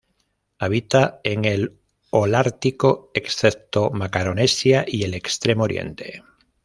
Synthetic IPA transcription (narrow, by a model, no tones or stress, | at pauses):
aβ̞it̪aeŋel | olaɾt̪ikoeksθep̚t̪omakaɾonesjaʔie̞le̞kst̪ɾe̞mooɾjḛ̃nt̪ḛ